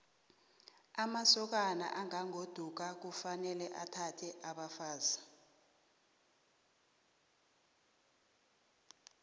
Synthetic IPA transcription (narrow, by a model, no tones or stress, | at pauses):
amasɔk̬ana̰ʔaŋaŋod̥ʱuk̬ak̬ufanɛlɛʔatʰatʰɛʔaɓafaːza